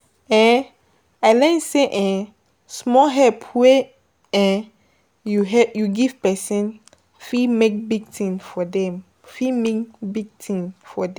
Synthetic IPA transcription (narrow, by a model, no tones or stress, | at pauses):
ɛ̃ | aɪlɛ̃nseʔɛ̃ | smɔɦɛpʰwe | ɛ̃ | juɦɛjuɡiv̥pɛsɛ̃n | fimek̚biɡ̚tʰĩnfɔdɛ̃m | fimekbiɡ̚tʰĩnfɔd